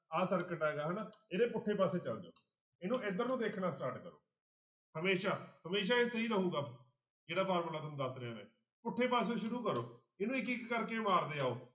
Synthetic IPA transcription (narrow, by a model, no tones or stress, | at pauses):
aːsəɾkəʈaːeːɡaːɦənaːeːd̪eːpʊʈʰːeːpaːseːt͡ʃəld̪eo̰ː | ɪnũːɪd̪əɾnũːd̪eːkʰnaːsʈaːɾʈkəɾo̰ː | həmeːʃaːɦəmeːʃ̬aːeːsəiːɾəɦuːɡaː | d͡ʒeːɽaːpʰaːɾməlaːt̪ʊnũːd̪əsɾeãːnḛː | pʊʈʰːeːpaːs̬eːʃʊɾuːkəɾoː | ɪnũːɪkɪkːəɾkeːmaːɾd̪eːaːoː